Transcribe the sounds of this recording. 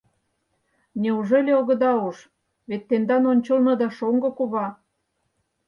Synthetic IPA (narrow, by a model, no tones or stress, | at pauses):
nʲeuʒelʲeoɣɤ̆d̪ɑoʃ | βet̪ːend̪ɑnonʲt͡ɕəlnɤ̆d̪ɑʃoŋɡɤ̆kuβɑ